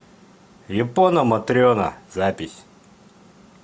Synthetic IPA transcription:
jiponomɐt̪ɾiona̰zapʲisʲ

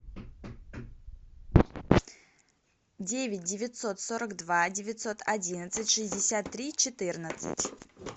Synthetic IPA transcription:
dʲevʲɪt̚ʲdʲɪvʲɪt̪so̞t̪soɾəkd̪vadʲɪvʲɪt̪so̞t̪ʰɐdʲinət̪sɨtʲʂɨzʲdʲɪsʲat̪ːɾʲit͡ɕɪt̪ɨrnət̪sɨ̰tʲ

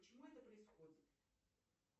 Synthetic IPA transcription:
pət͡ɕɪmuɛt̪əpɾəɪsxo̞d͡zʲɪt̪

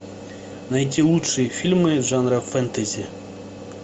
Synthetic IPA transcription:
nɐjitʲilˠutʂɨjifʲilʲmɨʐanɾɐfɛnt̪ɐzʲi

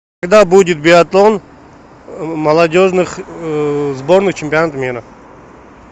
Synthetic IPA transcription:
kaɡd̪abudʲɪt̪̚bʲɪɐt̪lˠon | mɐlˠɐdʲoʐnɨχ | zbo̞ɾnɨχt͡ɕʰɪmʲpʲɪɐnat̪mʲiɾɐ

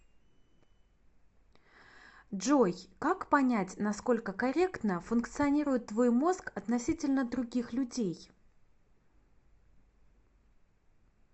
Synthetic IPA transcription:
ʐojkakpɐnʲætʲnɐsko̞lʲkəkɐɾʲe̞kt̪nəfʊnkt̪sɨɐnʲiɾʊjɪt̪ːvo̞jmo̞skɐt̪nɐsʲitʲɪlʲnəd̪ɾʊɡʲixlʲʊdʲej

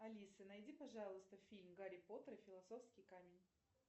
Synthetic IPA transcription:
ɐlʲisɨnɐjdʲipɐʐɑlˠɨst̪əfʲilʲmɡaɾʲɪpo̞t̪əɾɨfʲɪlˠɐso̞fskʲɪjkamʲɪnʲ

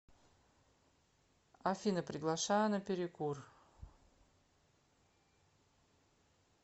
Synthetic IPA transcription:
ɐfʲinəpɾʲɪɡlˠɐʂajənəpʲɪɾʲɪkur

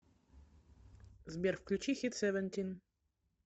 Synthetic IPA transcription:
zbʲjɛɾfklʲut͡ɕixʲit̪sɛvɛnʲt̪ʲin

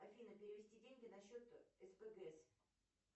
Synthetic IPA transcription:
ɐfʲinəpʲɪɾʲɪvʲɪsʲtʲidʲenʲɡʲɪnɐɕːot̪ɛspɛɡɛs

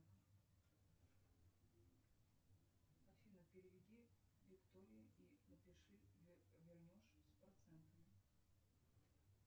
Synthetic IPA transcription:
sɐfʲinɐpʲɪɾʲɪvʲɪd̪ʲivʲɪkt̪oɾʲɪjʊinɐpʲɪʂɨvʲɪrnʲɔʂspɐɾt̪sɛnt̪əmʲɪ

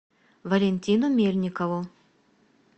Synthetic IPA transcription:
vɐlʲenʲt̪ʲinʊmʲelʲnʲɪkɐvʊ

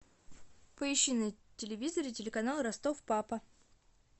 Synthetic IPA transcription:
pəɪɕːɪnɨjtʲɪlʲɪvʲizəɾɨtʲɪlʲɪkɐnalˠɾɐst̪ofpapə

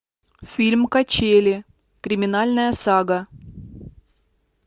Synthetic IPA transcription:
fʲilʲmkɐt͡ɕelʲɪ | kɾʲɪmʲɪnalʲnəjəsaɡə

